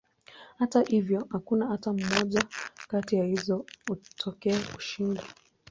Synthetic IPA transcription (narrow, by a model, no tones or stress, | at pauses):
hatahivjɔhakunaatam̩mɔʄakatijahizɔutʰɔkɛːku̥ʃinda